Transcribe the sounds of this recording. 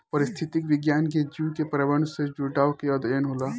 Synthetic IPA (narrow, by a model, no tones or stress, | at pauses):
ɔːɾɪst̪ʰɪt̪ɪkʋɪɡjaːnk̬ed͡ʒikepɾɐʋəɳ̃sed͡ʒuʈaːwkeɐd̪əjənɦoːlaː